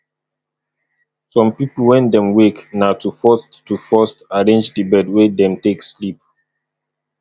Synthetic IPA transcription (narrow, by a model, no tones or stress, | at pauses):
sɔ̃mpipl̩wɛ̃ndɛ̃mweknaʊtufɔsttːufɔstaɹẽnd͡ʒdəbɛdwedɛ̃mtekslip̚